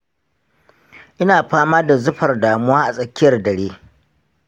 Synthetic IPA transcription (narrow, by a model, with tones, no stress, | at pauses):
ʔɪ˦naː˨ɸaː˦maː˦da˨zʊ˦ɸɐ˨rdaː˨mʊ˦waː˦ʔa˨sʼɐ˦kʲːɪ˦jɐ˨rdɐ˨ɽeː˦